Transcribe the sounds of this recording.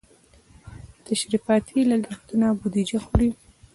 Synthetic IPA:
t̪aʃɾifɑt̪ʰilaɡaɾt̪unabud̪id͡ʒaxuɽi

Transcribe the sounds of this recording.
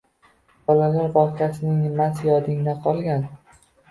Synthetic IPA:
b̥ɒlalaɾbɒqʰasɪnɪŋmasjɒd̪ɪŋd̪aqʰɒlˠɡʲan

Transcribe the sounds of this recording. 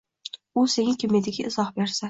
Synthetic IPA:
ʊse̞ŋɪkʲʰɪmed̪ɪɡʲɪʔɪzɒhbe̞ɾsa

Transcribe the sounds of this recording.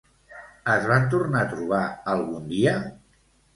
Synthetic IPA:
əzβant̪urnat̪ɾuβ̞aəlˠɣund̪iə

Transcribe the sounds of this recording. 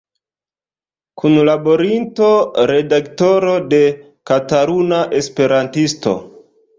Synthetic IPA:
kʰunlabo̞ɾinto̞ɾe̞dakto̞ɾo̞de̞ | kataɾunaʔe̞spe̞ɾantisto̞̰

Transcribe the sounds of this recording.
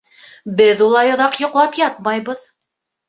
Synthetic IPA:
bɘðulˠɑjŏðɑqjŏqlˠɑpjɑt̪̚mɑjβɤð

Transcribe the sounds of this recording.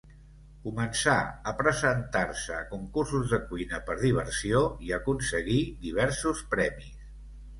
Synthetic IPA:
kumənsaəpɾəzənt̪aɾsəkuŋkursuzðəkujnəpəɾðiβ̞ərsioiəkunsəɣiðiβ̞ɛɾsuspɾɛmis

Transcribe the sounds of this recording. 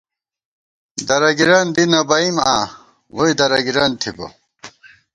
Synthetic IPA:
d̪ɐɾɐɡiɾɐnd̪inɐbɐimaː | woid̪ɐɾɐɡiɾant̪ʰibɐ̰

